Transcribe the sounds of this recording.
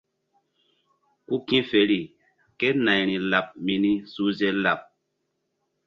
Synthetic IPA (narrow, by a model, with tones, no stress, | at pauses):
ku˦kĩ˦fe˨ɾi˨ | ke˦na˨jɾĩ˨la˨p̚mi˨ni˦su˦ze˦la˨p̚